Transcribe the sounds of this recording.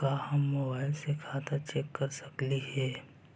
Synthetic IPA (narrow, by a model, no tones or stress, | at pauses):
kahɐmːoːbaːɪlsekʰaːt̪at͡ʃeːkːɐɾsɐkliɦɛː